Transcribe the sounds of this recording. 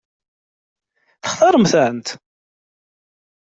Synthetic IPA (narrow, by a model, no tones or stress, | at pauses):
θə̥χðɑɾˤəmθəʕənt̪